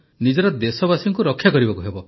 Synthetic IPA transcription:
nid͡ʒɔɾɔd̪esɔbasiŋkuɾɔkʰːjakɔɾibakuɦebɔ

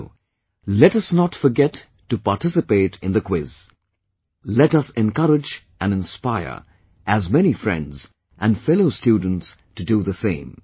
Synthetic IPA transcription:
lɛɾʌsnɔtfə˞ɡɛtː | ɨpatɪsɨpeɪɾɨ̃nðɨkʰwɪz̥ | lɛɾʌsɛ̃nkʌɾɪd͡ʒ | ʔɨ̃nɨ̃nspaɪə̰˞ | ʔɨzmɛñifɹɛ̰̃ndz | ʔæ̃nfɛloʊstjudⁿn̩tstɨduðəsẽɪ̃m

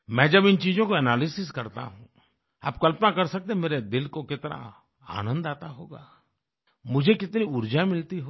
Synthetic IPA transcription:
mɛ̃ːd͡ʒɐbɪnt͡ʃiːd͡ʒõkoɛnaːlɪsɪskɐɾt̪a̰ɦũ | a̰ːp̚kɐlpnakɐɾsɐk̚t̪ẽɦmeːɾed̪ɪlkokɪt̪na̰ | a̰ːnə̃nd̪aːt̪aɦoːɡa̰ː | mʊd͡ʒʱekɪt̪niʊɾd͡ʒamɪlt̪iɦo

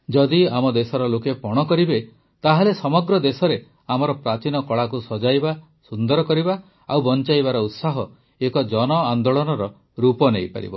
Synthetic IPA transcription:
d͡ʒɔd̪iamɔd̪esɔɾɔlokepɔɽ̃ɔkɔɾibe | t̪aɦalesɔmɔɡɾɔd̪esɔɾe | amɔɾɔpɾat͡ʃinɔkɔɭak̬usɔd͡ʒajba | sund̪ɔɾɔkɔɾiba | awbɔnt͡ʃajβaɾɔut̪saɦɔ | ekɔd͡ʒɔnɔand̪oɭɔnɔɾɔ | ɾupɔnejpa̰ɾḭbɔ

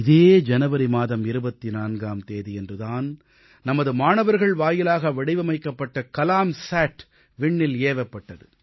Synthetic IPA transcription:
ɪðeːd͡ʒɐnɐʋɐɾimaːðɐmɪɾɯbɐt̪ːinaːnɡaːmt̪eːðiɛndrɯðaːn | nɐmɐðɯmaːɳɐʋɐɾɣɐɭʋaːjɪlaːɣɐʋɐɽɪʋɐmɐɪkːɐpːɐʈːɐkɐlaːmsaːʈ | ʋɪɳːɪleːʋɐpːɐʈːɐðɯ

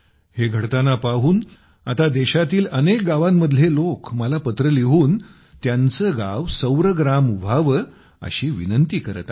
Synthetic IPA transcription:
heɡʱəɽt̪anapaɦuːn | at̪ad̪eɕat̪iːlənek̚ɡaʋamːəd̪ʱljelokməlapət̪ɾəliʋuːn | t̪jant͡səɡaʋsəwɾəɡɾamʋʱaʋə | ə̰ɕiːʋinənt̪iːkəɾət̪

